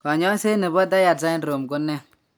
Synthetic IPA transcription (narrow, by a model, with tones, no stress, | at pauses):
kɔ˨ɲɔ˦se˦ne˨bɔ˦da˦ja˨za˦nɾo˨mɡʊ˦nːɛ˦